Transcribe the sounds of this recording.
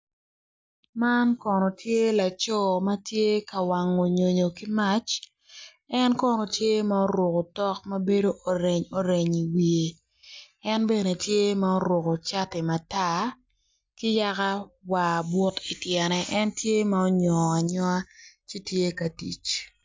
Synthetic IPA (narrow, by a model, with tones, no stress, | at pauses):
ma˦nkɔ˨nɔ˨tje˦la˨t͡ʃɔ˦˨mɐ˦tje˦ka˨wa˨ŋo˨ɲo˨ɲo˨ki˦ma˦t͡ʃ | ɛ˦nkɔ˦nɔ˨tje˦ma˦o˦ɾʊ˨ko˨tɔ˦k̚mɐ˦be˦do˦ʔo˨ɾe˨ɲo˨ɾe˨ɲi˨wi˨e˨ | ɛ˦nbe˦ne˨tje˦ma˦o˦ɾo˨ko˨t͡ʃa˦tɛ˨ma˨ta˦ | kɪ˦ja˦ka˦wa˨bwɔ˦ti˨tjɛ˨nɛ˨ʔɛ˦ntje˦ma˦ɔ˦ɲɔ˨a˨ɲwɔ˦a˦t͡ʃi˦tje˦ka˨tḭ˨t͡ʃ